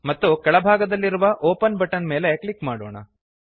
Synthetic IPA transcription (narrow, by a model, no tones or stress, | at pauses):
mɐt̪ːukɐɭɐbʱaːɡɐd̪ɐlːiɾuʋɐʔoːpɐnbɐʈːɐnmeːlekɭikmaːɽoːɳɐ̰